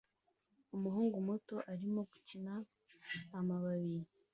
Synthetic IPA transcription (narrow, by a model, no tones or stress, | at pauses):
umuɦuːŋɡumoto̞ʔaɾimo̞ɡucinaː | maβaβiɾi